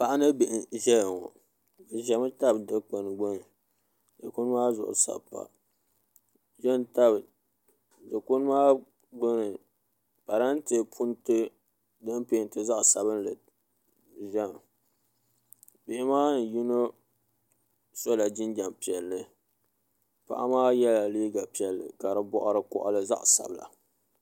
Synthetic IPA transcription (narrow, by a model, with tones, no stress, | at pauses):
pa˨ʔa˦nɨ˦bɪ˨ʔɪ˨ʒɛ˦lŋo̰˨ | ʒa˨ma˦ta˦bdɨ˦k͡pa˨nɨ˨ɡ͡bo˦nɨ˨ | dɨ˨kʊ˦n˦maː˦zʊ̰˨ʔʊ̰˨sa̰˨pːa̰˨ | ʒɛ˦n˦ta˦b | dɨ˨kʊ˦n˦maː˦ | ɡ͡bo˦nɨ˨ | pa˨ɾa˦n˦tɨ˨pʰu˦ntɨ˦ | dɨ˦m˦peː˦˨n˦tɨ˦za˦ʔsa˨bɨ˦n˦lɨ˨ | ʒɛ˦˨m˨ | bɪ˦˨ɪ˦maː˦n˨ji˦no˦ | so˦la˨d͡ʒɪ˦nd͡ʒa˨mpi˨ɛ˨lːɨ˨ | pa̰˦˨ʔa˦maː˦jɛ˦la˨liː˦ɡa˨pi˨ɛ˨lːɨ̰˨ka˨ɾɨ˦bɔ˦ʔʊ˦ɾɨ˦kʊ̰˦ʔlɨ˦za̰˦ʔsa̰˨bla̰˨